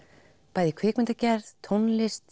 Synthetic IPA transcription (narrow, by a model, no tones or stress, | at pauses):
paːjðikʰvɪːkmɪnt̪acɛɾðt̪ʰownlɪst̪